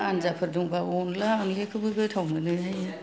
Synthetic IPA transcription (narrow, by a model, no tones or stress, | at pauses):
anzapʰɯɾduŋbaɔnlaaŋlekʰɯbɯɡɯtʰawmɯnɯjajɯ